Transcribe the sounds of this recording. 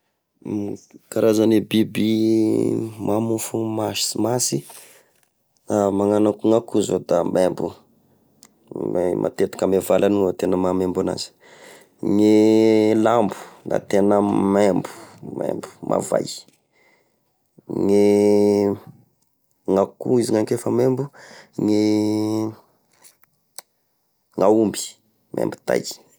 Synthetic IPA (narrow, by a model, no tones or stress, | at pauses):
kaɾazanebibi | mʔamufumasmasi | amaŋanakuŋakuzod̪amembṵ | emʔa̰t̪et̪u̥kamevalaniot̪enəmamembuna̰zi̥ | ŋelambu̥na̰t̪enəmembu̥mḛmbu̥mʔa̰va̰j | ŋe | ŋakṵiziŋaŋkefəmembuŋe | ŋaumbi̥ | mʔḛmbu̥t̪a̰j